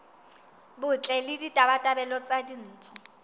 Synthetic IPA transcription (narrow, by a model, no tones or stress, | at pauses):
bʊt͡ɬʼɛlɪditʼabatʼabɛlɔt͡sʼadin̩ːtʰʊ